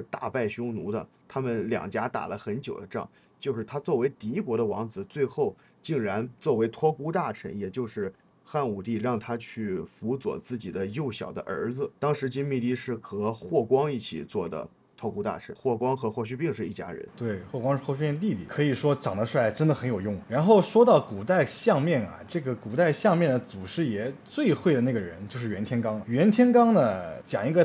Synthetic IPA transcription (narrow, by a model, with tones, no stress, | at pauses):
ʂɻ̩˥˧t̪a̰˥˧pa˥˩ɪɕʊ˥ŋnu˧˥d̪ə̰˧t̪ʰa˥mə˨nljɑ̰˨˩ŋt͡ɕja˥t̪a̰˨˩lə˦xə˧˥nt͡ɕjo˨ʊd̪ə˦ʈ͡ʂŋ | t͡ɕjo˥˧ʂɻ̩˥˩t̪ʰa˥t͡swɔ˥˩we˧˥ɪt̪i˧˥kwɔ˧˥ɾə˧wɑ˧˥ŋd͡zɹ̩˨˩t͡swe˥˧ɪxo˥˩ʊ | t͡ɕi˥˩ŋɻa˧˥nt͡swɔ˥˩we˧˥ɪt̪ʰwɔ˥ku˥t̪a˥˩ʈ͡ʂʰə̰˧˥ŋjɛ˨˩t͡ɕjo˥˧ʊʂɻ̩˥˧ | xa˥˩nu˨˩t̪i˥˧ɻɑ˥˩ŋt̪ʰa˥t͡ɕʰy˥˩fu˧˥t͡swɔ̰˨˩t͡sɹ̩˥˩t͡ɕi˨˩d̪ə˦jo˥˩ʊɕjɑ˨˩ʊd̪ə̰˦ʔə̰˞˧˥d͡zɹ̩˧t̪ɑ˥ŋʂɻ̩˧˥t͡ɕi˥nmi˥˧t̪i˥˧ʂɻ̩˥˩kʰɤ˧˥xwɔ˥˩kwɑ˥ŋi˥˩t͡ɕʰḭ˨˩t͡swɔ˥˩d̪ə̰˩ | t̪ʰɑ˥˧ku˥t̪a̰˥˧ʈ͡ʂʰɻ̩˥˧˥xwɔ˥˩kwɑ˥ŋxɤ˧˥xwɔ˥˧ɕy˥˧pi˥˧ŋʂɻ̩˥˧i˥˩t͡ɕja̰˥ɻə̰˧˥nt̪we˥˩ɪxwɔ˥˩kwɑ˥ŋʂɻ̩˥˧wɔ˥˧˩ɕy˥pi˥˧nli˥˧lḭ˥˩kʰɤ˧˥i˨˩ʂwɔ˥ʈ͡ʂɑ˨˩ŋd̪ə˦ʂwa˥˩ʈ͡ʂə˥nd̪ə˨˩xə˧˥njo˨˩ʊjʊ˥˩ŋ˩ɻa˧˥nxo˥˩ʊʂwɔ˥t̪ɑ˥˩ʊku˨˩t̪a˥˩ɪɕjɑ˥˧ŋmjɛ˥˩nɐ̰˩ʈ͡ʂɤ˥˩ɡə˩ku˨˩t̪a˥˧ɪɕjɑ˥˧ŋmjɛ˥˩nd̪ə˩t͡su˨˩ʂɻ̩˥˩jɛ˨˩t͡swe˥˧ɪxwe˥˩ɪd̪ə˩na˥˩ɡə˩ɻə˧˥nt͡ɕjo˥˧ʊʂɻ̩˥˩ɥɛ˧˥nt̪ʰjɛ˥nkɑ˥ŋ˩ɥɛ˧˥nt̪ʰjɛ˥nkɑ˥ŋnə˨t͡ɕjɑ˨˩ŋi˧˥ɡə˧